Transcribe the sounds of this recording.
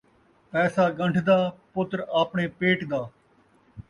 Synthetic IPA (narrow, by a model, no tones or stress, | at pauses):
pɛːsaːɡəɳɖʰʱd̪aːpʊt̪ɾaːpɳeːpeːʈd̪aː